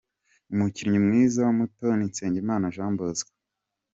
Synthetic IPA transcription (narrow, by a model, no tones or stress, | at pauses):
umuciɾɲimŋiːzawamutonint͡seːɲɟimaːnaʒaːmbozɡḁ